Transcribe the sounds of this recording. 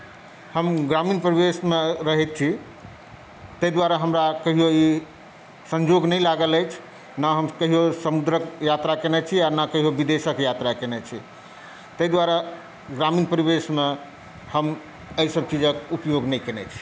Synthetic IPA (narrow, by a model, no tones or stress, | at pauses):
həmɡɾaminpəɾibesmeɾəɦɛt̪̚t͡ʃʰi | t̪əjd̪ʋaɾaɦəmɾakəɦijoi | səɲd͡ʒoɡnəjlaɡələjt͡ʃʰ | naɦəmkəɦijosəmud̪ɾəkjat̪ɾakenɛt͡ʃʰiaɾnakəɦijobid̪esəkjat̪ɾakenɛt͡ʃʰi | t̪əjd̪waɾə | ɡɾaminpəɾibesme | həm | əisəb̚t͡ʃid͡ʒəkupjoɡnəjkenɛt͡ʃʰi̥